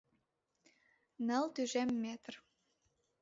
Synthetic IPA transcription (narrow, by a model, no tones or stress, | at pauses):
nə̆lt̪yʒemːet̪r